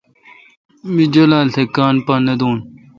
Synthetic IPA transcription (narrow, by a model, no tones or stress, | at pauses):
mid͡ʑɐlaːltʰekaːnpaːnːɐd̪oːn